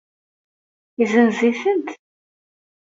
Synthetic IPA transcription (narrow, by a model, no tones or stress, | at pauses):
izənziθənt̪